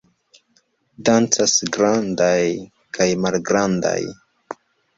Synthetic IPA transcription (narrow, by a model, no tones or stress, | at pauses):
dant͡sasɡɾandaj | kajmalɡɾanda̰j